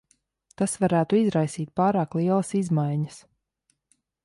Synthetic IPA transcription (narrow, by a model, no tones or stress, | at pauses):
t̪asvaɾæːt̪uizɾajsiːt̪̚paːɾaːklˠiɛlˠɐsizmajɲəs